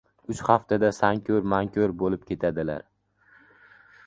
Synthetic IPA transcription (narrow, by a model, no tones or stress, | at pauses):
ʊt͡ʃχaft̪ʰad̪asaŋkʲʰoɾmaŋkʲʰoɾbolɪp̚kʲʰe̞t̪ʰad̪ɪla̰ɾ